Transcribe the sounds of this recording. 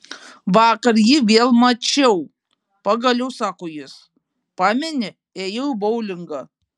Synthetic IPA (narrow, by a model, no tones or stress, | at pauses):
ʋɑːkɐɾjɪʋʲeːlˠmɐt͡ʃʲɛʊ | pɐɡɐlʲɛʊsɑːkoːjɪs | pɑːmʲɛnʲɪ | eːjɛɪbɔʊlʲɪŋɡɐ